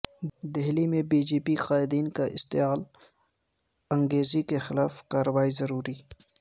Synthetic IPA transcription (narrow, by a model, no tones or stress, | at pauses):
d̪eɦlimẽbiːd͡ʒiːpiqaːɪd̪iːnkaʔɪ̰st̪ɪjaːl | ɐ̃ŋɡeːzikexɪlaːfkaːɾəwaːizɐɾuːɾiː